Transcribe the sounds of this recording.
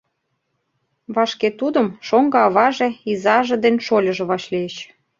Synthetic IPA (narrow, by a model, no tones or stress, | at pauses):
βɑʃket̪ud̪ə̆mʃoŋɡɤ̆ɑβɑʒeizɑʒĕd̪enʲʃolʲəʒĕβɑʃlieɕ